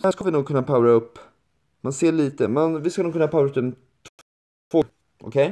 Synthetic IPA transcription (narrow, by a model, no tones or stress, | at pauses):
hæʂkavɪnuːɡ̚kɵnːapʰawɾaɵpː | manseːɭiːt̪əmanvɪskanuːɡkɵnːapʰawɾaɵp̚d̪ɛm | t̪ʰ | t̪ʰvoː | ʔɔ̰kʰɛj